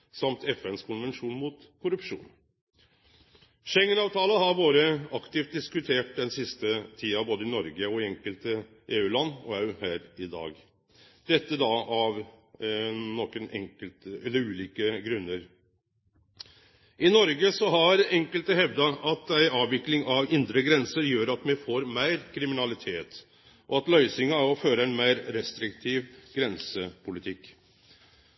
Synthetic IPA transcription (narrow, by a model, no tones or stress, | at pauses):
sɑmt̪ʰɛfɛnskʰʊnʋɛnʂuːnmut̪ | kʰʊɾʉpʂṵːn | ʃɛŋːənɑːʋt̪ʰɑːləhɑɾbɑːɾəɑkt̪ɪːft̪̚d̪ɪskʉt̪ʰeːʈ̚d̪ɛnsɪst̪ət̪ʰiːɑboːd̪əɪnɔɾɡəɔɪɛŋkəlt̪ə | ʔeːʉːlɑnːɔɑʉhæːɾɪd̪ɑ̰ːɡ | d̪̥ɛt̪ːəd̪ɑɑʋ | nɔːkənɛ̰ŋkəlt̪ɛlːəɾʉːliːkəɡɾʉnːəɾ | ʔɪnɔɾɡəsɔɦɑɾɛŋkəlt̪əhɛʋd̪ɑʔɑt̪æɪʔɑːʋːɪklɪŋɑʋɪnd̪ɾəɡɾɛnsəɾjøːɾɑt̪mɛfoːɾmæɪɾkʰɾɪmɪnɑlɪt̪ʰeːt̪ | ʔɔɑt̪lœʏsɪŋɑɔføːɾəæɪnmæɪɾɾɛst̪ɾɪkt̪ʰiːʋɡɾɛnsəpʰʊlɪt̪ʰɪkː